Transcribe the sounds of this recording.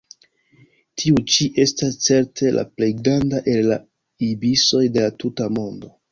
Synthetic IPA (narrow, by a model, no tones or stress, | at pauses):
tʰiut͡ʃiʔe̞stast͡se̞ɾtʰe̞lʔa̰ple̞jɡɾandaʔe̞lːa | ibiso̞jde̞latutamo̞ndo̞